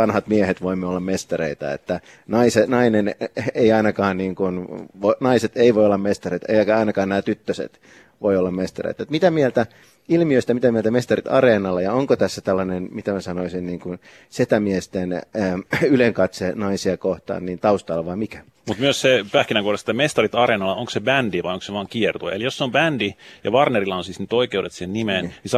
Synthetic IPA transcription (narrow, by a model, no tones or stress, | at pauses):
ɑnhɑt̪miehet̪ʋoimːeolːɑmmest̪ɑrḛit̪ɑ̰ḛt̪ːæ | nɑisenɑineneiɑinɑkɑːnniːŋkunʋonɑiset̪eiʋoiolːɑmmest̪ɑrit̪ḛikɑinɑkɑːnnæːt̪yt̪ːøsḛt̪ | ʋoiolːɑmmest̪ɑrḛit̪ɑet̪mit̪æmielt̪æ | ilmiøist̪æmit̪æmielt̪æmest̪ɑrit̪ɑ̰reːnɑlːɑjɑoŋkot̪æsːæt̪ælːɑnenmit̪æmæsɑnoisinniːŋkun | set̪æmiest̪enː | yleŋkɑt̪senɑisiɑkoht̪ɑ̰ːnniːnt̪ɑust̪ɑlːɑʋɑimikæ̥ | mut̪myøssepæhkinæŋkuoɾest̪et̪ːæmest̪ɑrit̪ɑrenɑlːɑoŋksebændiʋɑjoŋkseʋɑːŋkiert̪uɑ̰ḛlijosːeombændijɑ̰ʋɑrnerilːɑonsisnyt̪oikeudet̪sihennimeːnnis